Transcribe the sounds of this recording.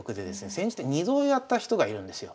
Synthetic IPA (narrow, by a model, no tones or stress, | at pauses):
kɯ̟d̪e̞d̪e̞sɨne̞sẽ̞ɲ̟d͡ʑi̥t̪ːeɲ̟izo̞ːjat̪ːaçi̥t̪o̞ɡaiɾɯ̟̃nd̪e̞sɨjo